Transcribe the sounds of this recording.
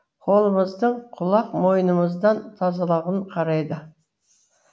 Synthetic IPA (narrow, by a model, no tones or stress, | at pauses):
qʰo̞lˠəməzd̪əɴqʰʊlˠɑqmo̞jənəməzd̪ɑnt̪ʰɑzɑlˠɑʁəɴqʰɑɾɑjd̪ə